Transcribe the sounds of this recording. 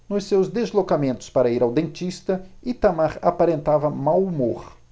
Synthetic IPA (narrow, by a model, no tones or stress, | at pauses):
nʊssewzd̪ezlokamẽnt̪ʊ̥spaɾɐiɾawd̪ẽnt͡ʃist̪ɐɪt̪amaɾa̰paɾẽnt̪avɐmawumoɾ